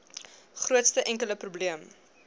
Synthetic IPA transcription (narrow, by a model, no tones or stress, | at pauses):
χruətstəʔæŋkələprubliəm